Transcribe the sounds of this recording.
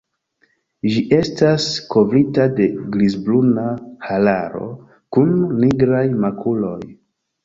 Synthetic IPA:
d͡ʒiʔe̞stasko̞vɾitade̞ɡlizblunahalaɾo̞̰ | kunːiɡɾajmakʰulo̞j

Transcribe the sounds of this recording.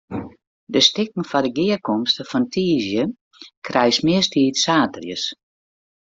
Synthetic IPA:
dəstɪk̚ŋ̩fadəɡɪərkɔmstəfɔntʰiːzjə | kʰrɛjsmɪəstiːtsaːtərjə̰s

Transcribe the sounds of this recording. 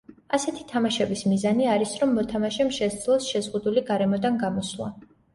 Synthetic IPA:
asɛt̪ʰi̥t̪ʰamaʃɛbismizaniaɾisɾɔmːɔt̪ʰamaʃɛmʃɛsd̪zlˠɔsʃɛzʁud̪uliɡaɾɛmɔd̪anɡamɔslˠa̰

